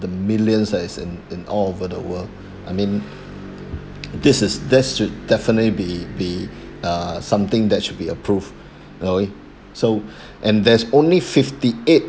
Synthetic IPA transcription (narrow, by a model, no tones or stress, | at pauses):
dəmɪljə̃nsdɛtɪsɪ̃nɪ̃nɔ̰lovədə̰wəl | ʔa̰ɪmĩn | d̪ɪsɪsdɛtsʃud̚dɛfənətlibibiʌsãmt̪ɪ̃ŋd̪ɛtʃud̚biəpʰɹuv | nowe | so | ʔɛ̃ndɛsõnlifɪftiet̚